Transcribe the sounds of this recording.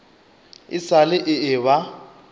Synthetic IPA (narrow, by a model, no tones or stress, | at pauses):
ɪsalɪʔɪɪβa